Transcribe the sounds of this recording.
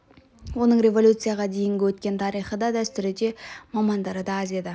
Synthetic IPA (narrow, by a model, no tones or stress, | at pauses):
wo̞nəɴɾʲe̞volʲut̪sɨjaʁɑd̪e̞jɪŋɡʲɪwɵt̪̚kʲe̞nt̪ʰɑɾijχəd̪ɑd̪æst̪ʏɾɪd̪e̞mɑmɑnd̪ɑɾəd̪ɑɑzied̪ɪ